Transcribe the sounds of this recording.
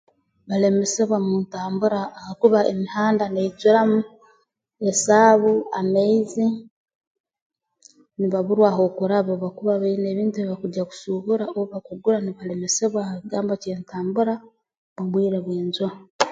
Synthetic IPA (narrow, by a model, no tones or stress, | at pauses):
βale̞me̞se̞βwamuntaːmbuɾaːhakuβaʔemihaːndaneizuɾamu | esaːβuameizi | niβaβuɾwaːɦo̞kuɾaβoβakuβaβaine̞βiːntueiβakuɟaku̥suβuɾaoβoβakuɡuɾaniβale̞me̞se̞βwahaiɡaːmboceːntaːmbuɾa | muβwiːɾeβweːnzua